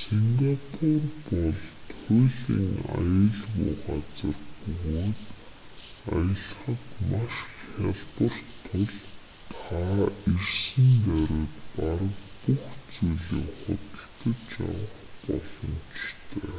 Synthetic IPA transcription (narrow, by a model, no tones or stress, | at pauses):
seŋɡapʰʊrpɔɮt̪ʰʊjɮiːŋa̰jə̆ɮɣṵːɢat͡sə̆rpɵɣoːt̪ | ajə̆ɮχə̆t̪maʃxʲaɮpə̆r̥t̪ʰːʊɮ | t̪ʰairsɘ̆nt̪æɾʲet̪paɾə̆kpuxt͡sujɮiːŋχʊ̰t̪ə̆ɬt̪ə̆t͡ɕa̰wə̆χpɔ̰ɮɞ̆nt͡ɕt̪ʰeː